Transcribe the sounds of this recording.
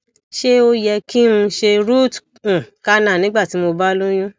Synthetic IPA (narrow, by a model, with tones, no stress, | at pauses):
ʃe˦o˦jɛ˧ki˦ɾũ˧ʃe˧ɾu˦˨t | ũ˨ka˦nã˦˨nĩ˨˦ɡ͡ba˦˨ti˨˦mo˧ba˦lo˦j̃ũ˦